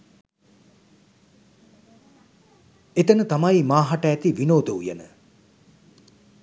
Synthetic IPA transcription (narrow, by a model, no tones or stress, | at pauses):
et̪ənət̪amajmaːɦaʈəːt̪iʋinoːd̪əujə̰nə̰